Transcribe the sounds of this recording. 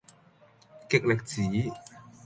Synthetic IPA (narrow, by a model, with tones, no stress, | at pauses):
ke˨˩k̚le˨˩k̚t͡ɕʰiː˩˦